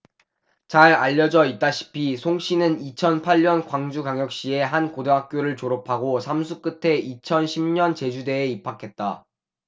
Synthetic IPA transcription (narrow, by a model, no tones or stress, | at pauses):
t͡ɕaɾaʎːʌd͡ʑʌit̚t͈aɕʰi̥pʰisʰoŋɕ͈ʰinɯnit͡ɕʰʌnpʰaʎɲʌnkwaŋd͡ʑuɡaŋjʌk̚ɕ͈ie̞ɦankodeɦak̚k͈joɾɯɭt͡ɕoɾopʰaɡosʰamsʰuk͈ɯtʰe̞it͡ɕʰʌnɕʰimɲʌnt͡ɕe̞d͡ʑude̞ːipʰakʰe̞t̚t͈a